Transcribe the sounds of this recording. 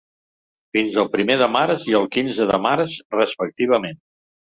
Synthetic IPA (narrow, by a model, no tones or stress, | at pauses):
finzəlˠpɾimeðəmaɾəziəlˠkinzəðəmaɾəzrəspək̚t̪iβ̞əmen